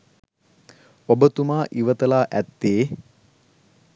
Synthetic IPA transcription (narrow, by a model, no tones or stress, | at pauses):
obət̪umaːʔiʋət̪əlaːʔæt̪ːeː